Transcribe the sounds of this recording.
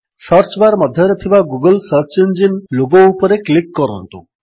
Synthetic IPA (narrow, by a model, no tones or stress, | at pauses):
sʌɾt͡ʃbaɾmɔd̪ʱjɔɾɔt̪ʰibaɡuɡəlsəɾt͡ʃend͡ʒinloɡoupɔɾeklikːɔɾɔ̰nt̪ṵ